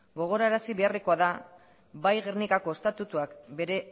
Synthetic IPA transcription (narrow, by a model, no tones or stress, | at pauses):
ɡo̞ɣ̞o̞ɾaeɾasiβe̞areko̞aða | βajɣernikako̞e̞st̪at̪ut̪uakbe̞ɾe̞